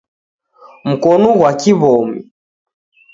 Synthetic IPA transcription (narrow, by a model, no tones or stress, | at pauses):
m̩kɔnɔɣwakiβɔmḭ